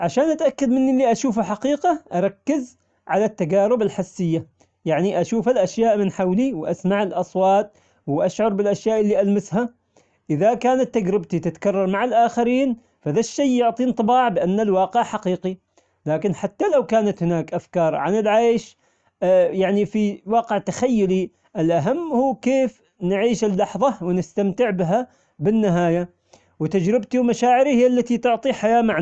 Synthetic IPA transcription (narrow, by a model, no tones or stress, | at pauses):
ʕaʃaːnʔat̪ʔakːad̪mɪnːɪlːiʔaʃuːfaħaqiːqaʔɑɾˤɑkːɪz | ʕalat̪ːaɡaːɾɪbalħasːɪjːa | jaʕniʔaʃuːfalʔaʃjaːʔmɪnħawliwʔasmaʕɪlʔɑsˤwɑːt̪̚ˤ | wʔaʃʕʊɾˤbɪlʔaʃjaːʔɪlːiʔalmɪsha | ʔɪðakaːnat̪ːaɡɾɪbt̪it̪ɪt̪kɑrˤːɑɾˤmaʕalʔaːxaɾiːn | faðaʃːajjʊʕt̪ˤiːnt̪ˤɨbɑːʕbɪʔanːalwɑːqɪʕħaqiːqi | laːkɪnħat̪ːalawkaːnat̪hɪnaːkʔafkɑːɾˤʕanɪlʕaːjʃ | jaʕnifiwɑːqɪʕt̪axajːʊli | ʔɪlʔaɦamːhuːkeːf | nʕiːʃɪlːɑħðˤɑwɪnɪst̪amt̪ɪʕbɪɦa | bɪnːɪɦaːja | wɪt̪ad͡ʒɾɪbt̪iwmaʃaːʕɪɾihɪjːalːat̪it̪ʊʕt̪ˤiħajaːmaʕ